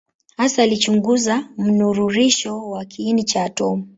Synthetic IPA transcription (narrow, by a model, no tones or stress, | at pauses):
hasaːlit͡ʃuŋɡuzam̩nuɾuɾiʃɔwakʰiinit͡ʃaːtɔmu